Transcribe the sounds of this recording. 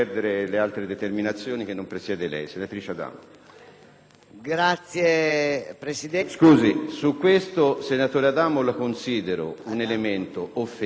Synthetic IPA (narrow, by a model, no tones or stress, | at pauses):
ɛrd̪eɾelealt̪ɾed̪et̪erminat̪sːjoːnik̟enːompɾesjɛːd̪elɛ̰jsenat̪ɾiːt͡ʃead̪a̰ːmo | ɡɾat̪sjepɾesid̪ɛskuːzisukːwest̪osenat̪oːɾead̪aːmolakonsiːd̪eɾo̰unelement̪oʔofːe